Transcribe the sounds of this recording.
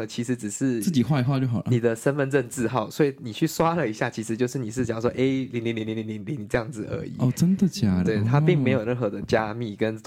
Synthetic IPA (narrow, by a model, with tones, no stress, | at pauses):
t͡ɕʰi˧˥ʂɻ̩˧˥ʈ͡ʂɻ̩˨˩ʂɻ̩˥˩˧t͡ɕi˨˩xwa˥˧ɪxwa˥˧t͡ɕjo˥˩ʊxɑ˨˩lə˨i˨˩d̪ə˦ʂə˥nfə˧nʈ͡ʂə˥˧nt͡sɹ̩˥˧xɑ˥˩ʊswɔ˧˥i˨˩ni˨˩t͡ɕʰy˥˩swa˦˥lə˨i˧˥ɕja˥˩t͡ɕʰi˧˥ʂɻ̩˧t͡ɕjo˥˧ʊʂ̬ɻ̩˥˩ni˨˩ʂ̬̩˥˩t͡ɕjɑ˨˩ʂwɔ˥ʔe˥ɪli˧˥ŋli˧˥nli˧ŋli˧˦nli˧ŋnli˧˥ŋli˧˦ŋni˨˩ʈ͡ʂɤ˥˧jɑ˥˩ŋd͡z̩˨˩ə̰˞˧˥ḭ˨˩˦ɔ˥˨˩ʈ͡ʂə˦˥nd̪ə˨t͡ɕja˥˩we˥˩ɪt̪ʰa˦pi˥˩ŋme˧˥ɪjo˨˩ʊɻə˥˩nxɤ˧˥˦d̪ə˧t͡ɕja˥mi˥˩kə˦n